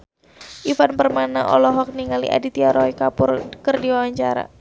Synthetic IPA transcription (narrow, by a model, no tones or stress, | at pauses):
ʔifanpərmanaʔɔlɔɦɔk̚niŋalḭʔa̰dit̪iaɾɔikapʊrkərdiwawaɲt͡ʃaɾa̰